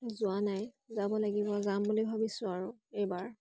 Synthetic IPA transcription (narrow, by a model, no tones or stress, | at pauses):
zʊanaj | zabɔlaɡibɔzambulibʱabisʊ̃aɹʊejbaɹ